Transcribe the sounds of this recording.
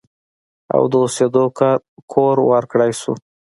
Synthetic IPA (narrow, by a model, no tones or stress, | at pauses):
a̰wd̪əused̪okɑɾkʰoɾwəɾkɽajsṵ